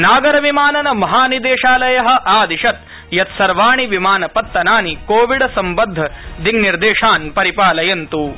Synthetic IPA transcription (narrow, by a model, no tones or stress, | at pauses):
naːɡɐɾɐʋimaːnɐnɐmɐɦaːnid̪eːʃaːlɐjɐɦɐ̆ʔaːd̪iʃɐt̪̚ | jɐt̪sɐɾʋaːɳiʋimaːnɐpɐt̪ːɐnaːnikoːʋiɽɐsɐmbɐd̪ʱːɐd̪iɡniɾd̪eːʂaːnpɐɾipaːlɐjɐnt̪u